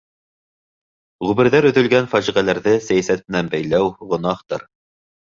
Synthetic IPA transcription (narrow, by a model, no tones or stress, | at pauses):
ʁʉβɘ̆ɾðæɾɵ̆ðɵ̆lɡænfæʒiʁælæɾðɘsæjæsæt̪̚mɘ̆nænbæjlæwʁŏnɑχt̪ɤ̰ɾ